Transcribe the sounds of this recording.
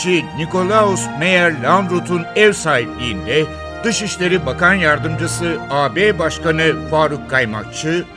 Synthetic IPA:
t͡ʃiniko̞lˠausme̞jæɾlʲand̪ɾot̪ʰunɛvsaːɦiplʲiind̪ɛ | d̪̥ɯʃiʃlʲe̞ɾibakanjaɾd̪ɯmd͡ʒɯsɯaːbebaʃkanɯfaːɾukʰːajma̰k̚t͡ʃʰɯ

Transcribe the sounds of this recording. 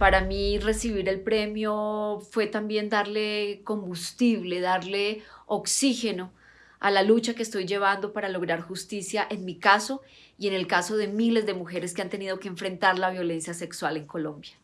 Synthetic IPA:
paɾamire̞siβiɾe̞lpɾe̞mjo̞fwe̞t̪ambje̞nd̪aɾle̞ko̞mbust̪iβle̞ðaɾle̞oksixe̞no̞ | a̰lalut͡ʃakeːst̪o̞jd͡ʒe̞β̞and̪o̞paɾalo̞ɣɾaɾxust̪isjaʔe̞nmikaso̞ | ie̞ne̞lkaso̞ðe̞mile̞zd̪e̞muxe̞ɾe̞skeant̪e̞nið̞o̞keːɱfɾe̞nt̪aɾlaβjo̞le̞nsjase̞kswale̞ŋko̞lõ̞mbja

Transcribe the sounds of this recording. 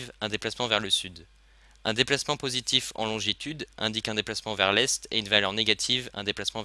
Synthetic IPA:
vɛ̃d̪eplasmɑ̃vɛʁləsyd̪ | ɛ̃d̪eplasmɑ̃pozit̪ifɑ̰̃lɔ̃ʒit̪ʰyd̪ʔɛ̰̃d̪ikɛ̃d̪eplasmɑ̃vɛʁlɛst̪ḛynvalœʁneɡat̪ʰivɛ̰̃d̪eplasmɑ̃

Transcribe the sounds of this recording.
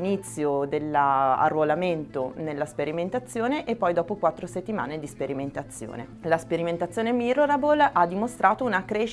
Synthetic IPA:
nit̪sːjod̪elːaa̰rːolament̪onelːaspeɾiment̪at̪sːjoːneʔepːɔjd̪ɔːpokwat̪ːɾoset̪ːima̰ːned̪ispeɾiment̪at̪sːjo̰ːnḛ | laspeɾiment̪at̪sːjoːnemiɾoɾabolad̪imost̪ɾʔaːt̪ounakɾeʃ

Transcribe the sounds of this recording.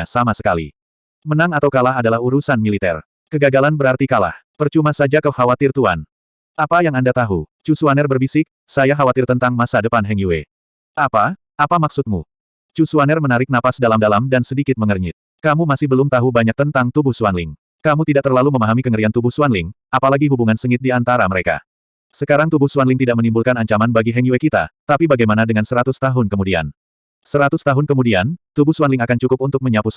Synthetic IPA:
asamasə̥kalḭ | mənaŋat̪awkalaɦadalahuɾusanmilit̪ɛ̰r | kəɡaɡalanbəɾart̪ikala̰hpərt͡ʃumasad͡ʒakəhawat̪ɪrt̪uan | ʔapajaŋandat̪aɦut͡ʃusuanɛrbərbisɪk̚ | sajaɦawat̪ɪrt̪ənt̪aŋmasadəpanɦɛŋjuwe | ʔapa | apamaksut̪̚mu | t͡ʃusuanɛrmənaɾɪk̚napasdalamdalamdansədikɪt̪̚məŋərɲɪt̪̚ | kamumasɪhbəlʊmt̪aɦubaɲak̚t̪ənt̪aŋt̪ubʊhsuanlɪŋ | kamut̪idaʔt̪ərlaluməmaɦamikəŋəɾiant̪ubʊhsuanlɪŋʔapalaɡiɦubuŋansəŋɪt̪̚diant̪aɾaməɾeka̰ | səkaɾaŋt̪ubʊhsuanlɪŋt̪idaʔmənimbulkanaɲt͡ʃamanbaɡiɦɛŋjuwekit̪a̰t̪apibaɡajmanadəŋansəɾat̪ʊst̪aɦʊnkəmudia̰n | səɾat̪ʊst̪aɦʊnkəmudiant̪ubʊhsuanlɪŋakant͡ʃukʊp̚unt̪ʊk̚məɲapʊs

